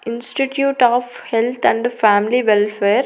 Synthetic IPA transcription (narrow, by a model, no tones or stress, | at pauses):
ɪ̃nsʈiʈjuːʈaːf | helt̪ʰæ̃ɳɖfæːmliʋelfeːɾ